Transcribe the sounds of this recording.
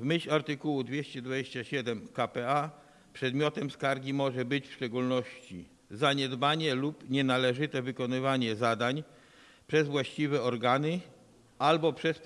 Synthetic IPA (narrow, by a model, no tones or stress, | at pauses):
vmɘɕaɾt̪ɘkuwud̪vʲjeɕt͡ɕɛd̪vad͡ʑeɕt͡ɕaɕɛd̪ɛmkapɛa | pʂɛd̪mʲjɔt̪ɛmskaɾɡʲimɔʐɛbɘt͡ɕfʂt͡ʂɛɡulnɔɕt͡ɕḭ | zaɲɛd̪baɲɛlupɲɛnalɛʐɘt̪ɛvɘkɔnɘvaɲɛzad̪aɲ | pʂɛzvwaɕt͡ɕivɛɔɾɡanɘ | albɔpʂɛs